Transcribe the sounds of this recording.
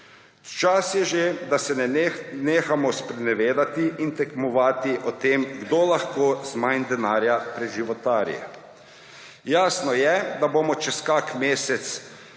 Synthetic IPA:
t͡ʃasjɛʒed̪asɛneːxamɔspɾɛnɛʋeːd̪at̪iint̪ɛkmɔʋaːt̪iʔɔt̪emɡd̪olaxkoːzmajnd̪ɛnaːɾjapɾɛʒiʋɔt̪aːɾijɛ̰ | jaːsnɔjɛd̪abomɔt͡ʃɛskaːkmeːsɛt̪s

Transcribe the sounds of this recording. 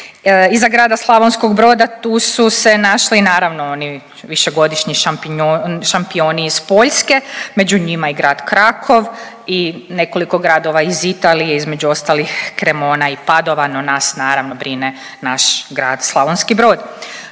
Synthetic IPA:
izaɡɾaːd̪aslˠaʋonsko̞ɡbɾo̞ːd̪at̪uːsuse̞naʃlinaːɾaʋnooni | ʋiʃe̞ɡo̞d̪iʃɲiʃapːʃampio̞ːniispo̞ʎske̞me̞d͡ʒuɲimaiɡɾaːd̪kɾakʰo̞ʋ | ine̞ko̞liko̞ɡɾad̪o̞ʋaizit̪aːlijeizme̞d͡ʑuo̞st̪alixkɾemo̞ːnaipad̪o̞ʋano̞naːsnaːɾaʋno̞bɾine | naʃɡɾaːd̪slˠaʋonskibɾoːd̪

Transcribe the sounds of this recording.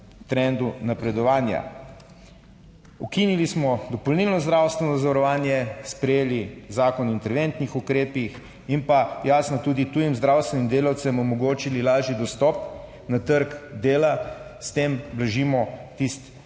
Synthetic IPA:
t̪ɾɛnd̪unapɾɛd̪ɔʋaːnja̰ | ukinilismɔd̪ɔpɔlniːlnɔzd̪ɾaːwst̪ʋɛnɔzaʋaɾɔʋaːnjɛspɾɛjeːlizaːkɔnint̪ɛɾʋent̪nixukɾeːpix | inpajaːsnɔt̪uːd̪it̪ujimzd̪ɾawst̪ʋɛnimd̪eːlawt̪sɛmɔmɔɡoːt͡ʃililaːʒid̪ɔst̪ɔp | nat̪əɾkd̪eːlast̪eːmblaʒimɔt̪ist̪

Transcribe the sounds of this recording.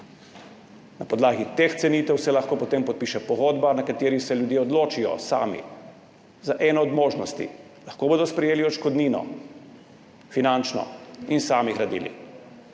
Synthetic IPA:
napɔd̪laːɡit̪ext̪sɛniːt̪ɛwsɛlaxkoːpɔt̪empɔt̪̚piːʃɛpɔɣoːd̪banakat̪eːɾisɛljud̪jeɔd̪loːt͡ʃijɔ̰sa̰ːmḭ | zaʔɛːnɔːd̪moːʒnɔst̪ḭ | laxkoːboːd̪ɔspɾɛjeːliɔʃkɔd̪niːnɔ̰ | finant͡ʃnɔ̰insaːmiɣɾad̪ḭːlḭ

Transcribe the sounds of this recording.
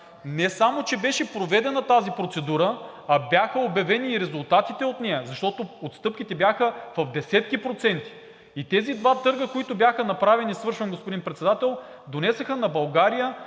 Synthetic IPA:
nɛsamot͡ʃɛbɛʃɛpɾovɛd̪ɛnɐt̪azipɾot̪sɛd̪uɾəɐbʲjaxəobjɐvɛniːɾɛzʊlˠt̪at̪it̪ɛot̪nɛjəzɐʃt̪ɔt̪oot̪st̪ɤpkʲit̪ɛbjaxəvɐvd̪ɛsɛt̪̚kipɾot̪sɛnt̪i̥ | it̪ɛzid̪vat̪ɤɾɡəkoit̪ʊbjaxənɐpɾavɛnisvɤɾʃɐnɡospod̪inpɾɛt̪sɛd̪at̪ɛlˠ | d̪onɛsɐxənɐbɐlˠɡaɾijə

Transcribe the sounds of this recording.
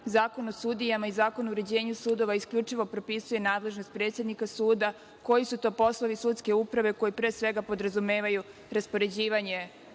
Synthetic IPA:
zaːko̞nosud̪ijamaizaːko̞nouɾe̞d͡ʑe̞ːɲusuːd̪o̞ʋaiskʎʲut͡ʂiʋo̞pɾo̞pisuje̞naːd̪le̞ʒnost̪̚pɾe̞ːt̪sʲjed̪nikasuːd̪a | ko̞jisut̪o̞ːpo̞slˠo̞ʋisuːt̪ske̞upɾaʋe̞ko̞jipɾeːsʋeɡapo̞d̪ɾazume̞ːʋaju | ɾaspo̞ɾe̞d͡ʑiːʋaɲe

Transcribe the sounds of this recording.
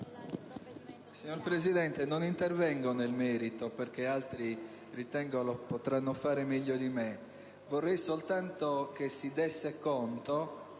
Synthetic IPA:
siɲːoɾpɾezid̪ɛnt̪enonint̪ervɛŋɡonelmɛːɾit̪operk̟ealt̪ɾi | rit̪ɛŋɡolopot̪ɾanːofaːɾemɛʎːod̪ime | vorːɛjsolt̪ant̪ok̟esid̪ɛsːekɔnt̪o

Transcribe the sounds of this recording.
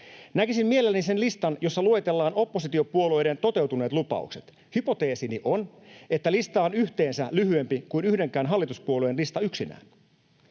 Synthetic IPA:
nækisimmie̞lelːenise̞nlist̪ɑnjo̞sːɑluet̪e̞lːɑːno̞pːo̞sit̪io̞puo̞lo̞jde̞nt̪o̞t̪e̞wt̪une̞ːt̪lupɑ̰ṵkset̪ | hypo̞t̪e̞ːsiniʔo̞n | et̪ːælist̪ɑːonyht̪e̞ːnsælyhye̞mpikuinyhde̞ŋkæːnɦɑlːit̪uspuoluenlist̪ɑyksinæ̰ːn

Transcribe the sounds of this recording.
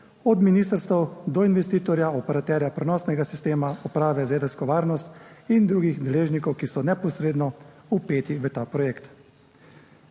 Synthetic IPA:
ɔd̪miniːst̪əɾst̪ɛwd̪ɔinʋɛst̪iːt̪ɔɾjaɔpɛɾat̪ɛːɾjapɾɛnɔːsnɛɡasist̪eːmaɔpɾaːʋɛzeːd̪ɛskɔʋaːɾnɔst̪ind̪ɾuːɡixd̪ɛleːʒnikɔwkisɔnɛpɔsɾeːd̪nɔupeːt̪iʋət̪aːpɾɔjeːkt̪

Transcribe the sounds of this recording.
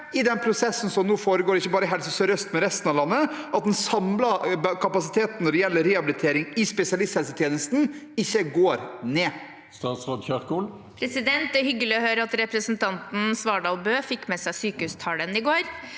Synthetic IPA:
ɪd̪ɛnpʰɾʊsɛsːn̩sɔmnuːfoːɾəɡoːɖɪçːəbɑːɾəɦɛlsəsɔɾœst̪mɛɾɛst̪nɑʋlɑnːəʔɑt̪̚d̪ɛnsɑmlɑbkʰɑpɑsɪt̪ʰeːt̪n̩ːɔɖɛjɛlːəɾɛɑbɪlɪt̪ʰeːɾɪŋɪspɛsɪɑlɪst̪hɛlsət̪ʰjeːnəst̪n̩ɪçːəɡoːɾneː | st̪ɑːt̪sɾoːd̪çøʁkul | pʰɾɛsɪd̪ɛnt̪̚d̪ɛhʏɡəlɪɔhøːɾəɑt̪ɾɛpɾəsnt̪ʰɑnt̪n̩sʋɑːɖɑːlbøːfɪkːmɛsæɪsyːkəhʉːst̪ʰɑːlənɪɡoːɾ

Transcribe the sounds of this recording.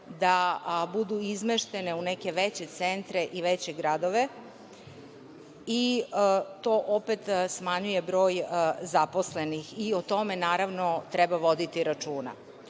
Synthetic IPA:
d̪abud̪uizmeʃt̪e̞neuneke̞ʋet͡ɕet̪sent̪ɾeʔiʋet͡ɕe̞ɡɾad̪oʋe̞ | i | t̪o̞ʔopet̪smaɲuje̞bɾo̞ːjzaposlenixiot̪o̞menaːɾaʋnot̪ɾɛbaʋo̞d̪it̪iɾat͡ʃuːna̰

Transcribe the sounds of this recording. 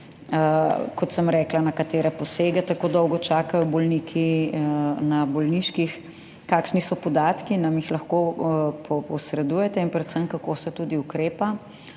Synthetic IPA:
kɔt̪səmɾɛːklanɐkat̪eːɾɛpɔseːɡɛt̪akoːd̪ɔwɡɔt͡ʃaːkajɔbɔlniːkʰi | nabɔlniʃkix | kaːkʃnisɔpɔd̪aːt̪kinɐmjixlɐxkopʰɔpɔsɾɛd̪ujɛt̪ɛinpɾɛt̪səmkakoːsɛt̪ud̪iukɾeːpa

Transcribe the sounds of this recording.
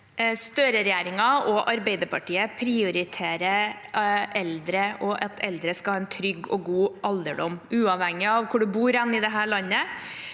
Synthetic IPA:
st̪øːɾəɾɛjeːɾɪŋɑɔʔɑɾbeɪd̪əɾpʰɑʈiːəpʰɾɪʊɾɪt̪ʰeːɾə | ɛld̪ɾəʔɔʔɑt̪ʰɛld̪ɾəskɑhɑːɛnt̪ʰɾʏɡːɔ̰ɡuːʔɑld̪əɖɔmʉːɑʋhæŋɪɑʋkʰʊɖʉbuːɾɛnːɪd̪ɛɦæːɭɑnːə

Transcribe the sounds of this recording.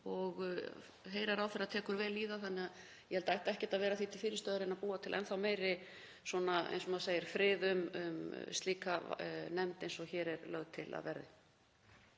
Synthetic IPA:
ɔɣ | ɦeːjɾaɾawθɛɾːaðt̪ʰɛːkʏɾvɛːliːɣaθanːɪað | jɛhɛlt̪aɛjht̪ɛhcɛ̥t̪aðvɛːɾaθit̪ʰɪlfɪːɾɪst̪œːðʏɾɪnaðpuːat̪ʰɪlʔɛ̰nθawmeːjɾɪ | swɔːnaḛjnsɔmaðaseːjɪɾ̥fɾɪːðʏmʏ̰mst̪liːkanɛmt̪ejnsɔɣçɛːɾɛɾlœɣt̪ʰɪla̰ðvɛ̰ɾðɪ

